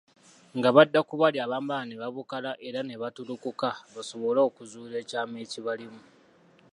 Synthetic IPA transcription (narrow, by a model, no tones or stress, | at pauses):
ŋɡaβadːakuβaliaβaːmbaaneβaβukalaʔe̞ɾaneβatuɾukukaβaso̞βo̞laokuzuːɾe̞ːcaːme̞ːciβalimu